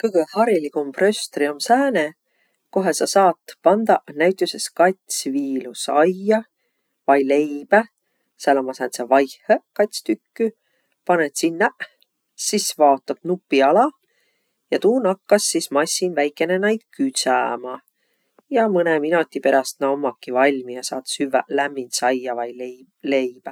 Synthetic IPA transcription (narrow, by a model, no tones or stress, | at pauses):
kɤɡ̥ehɑɾilikumprøst̪riomsæːne | ko̞ɦesɑsɑːt̪ːˑpɑnd̪̥ɑnæɥt̪ʲːˑjuseskɑt̪ʲsviːlusɑjːɑ | vɑjle̞jb̥æ | sælomɑsæːt̪sɑvɑjhekɑt̪ʲst̪ykːy | pɑnet̪sinːɑ | sisvɑot̪ːˑɑb̥̚nupːˑiɑlɑ | jɑt̪uːnɑkːɑsːismɑsʲːinvæjkːˑe̞nenɑjd̪̥kyt̪sæmɑ | jɑmɤneminot̪ʲːipe̞ɾɑst̪nɑomːɑkːivɑlʲmijɑsɑːt̪syvælæmːinsɑjːɑvɑjl | lejb̥æ